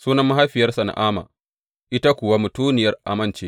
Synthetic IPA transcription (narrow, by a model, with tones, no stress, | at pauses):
suː˦nɐ˦mːa˦ɦa˦ɸɪ˨jɐ˦rsɐ˨na̰˨ʔaː˦ma̰ː˨ | ʔɪ˦ta˦kʷʊ˨wa˦mʊ˨tuː˦nɪ˨jɐ˦rʔa̰˨mɐ˦nt͡ʃeː˦